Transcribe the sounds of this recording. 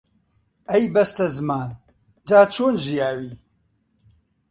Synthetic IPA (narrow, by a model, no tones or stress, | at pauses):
ɐjbɐst̪ɐzɨmaːn | d͡ʒaːt͡ʃʰoːnʒijaːwiː